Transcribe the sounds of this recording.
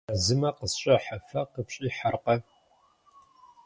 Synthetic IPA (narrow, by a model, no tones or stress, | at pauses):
ɐzɨmɐqəsɕʼɐħafɐqəpɕʼiːħarqɐ